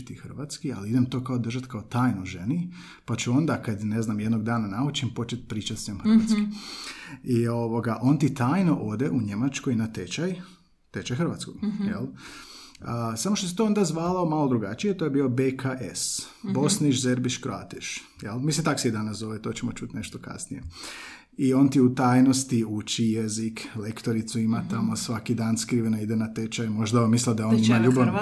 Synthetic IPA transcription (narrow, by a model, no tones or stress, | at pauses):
t̪ixr̩ʋat̪skialiid̪emt̪o̞ːkaod̪r̩ʒat̪kaot̪aːjnoʒeni | pat͡ɕuo̞nd̪akad̪ne̞znamjed̪no̞ɡ̚d̪aːnanaut͡ʃimpo̞t͡ʃet̪pɾiːt͡ʃat̪semxɾʋat̪ski | ioʋoɡaʔo̞nt̪it̪aːjno̞ʔo̞d̪eʔuɲe̞mat͡ʃkojnat̪et͡ʃaj | t̪et͡ʃajxɾrʋat̪sko̰ɡ̥jḛlˠ | əsamoʃt̪os̬et̪o̞ond̪azʋaːlˠaomalod̪ɾuɡat͡ʃijet̪ojebio̞bekʰaʔes | bo̞sniʃzeɾbiʃkɾoa̰t̪iʃ | jelmiset̪akoseid̪anaszo̞ʋet̪o̞t͡ʃemo̞t͡ʃut̪ne̞ʃt̪oka̰snijḛ | io̞nt̪iut̪aːjnost̪iut͡ʃijeziklekt̪oɾit̪suimat̪amo̞sʋakid̪aːnskɾiʋenaid̪enat̪et͡ʃajmo̞ʒd̪aoamislad̪aonimaʎuːboʋn